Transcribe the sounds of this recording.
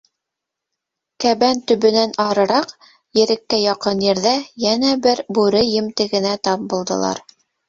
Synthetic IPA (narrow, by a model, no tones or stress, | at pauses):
kæβænt̪ɵ̆βɵ̆nænɑɾɤ̆ɾɑq | jɘ̆ɾɘ̆kːæjɑqɤnjɘ̆ɾðæjænæbɘɾbʉɾɘjɘ̆mt̪ɘ̆ɡɘ̆næt̪ɑp̚bulˠd̪ɤ̰̆lˠɑ̰ɾ